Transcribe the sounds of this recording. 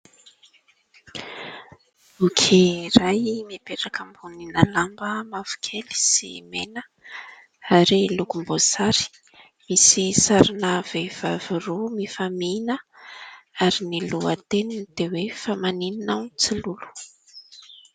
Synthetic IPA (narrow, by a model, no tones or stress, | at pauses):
ukʰirajmepeʈ͡ʂakəmbuninalambəmav̥u̥kʲʰeli̥sḭmenə | aɾilukumbozaɾi̥ | misisaɾinav̥ev̥aviɾumifaminə | aɾiniluət̪enid̪̥ewefamanininawnt͡silulu̥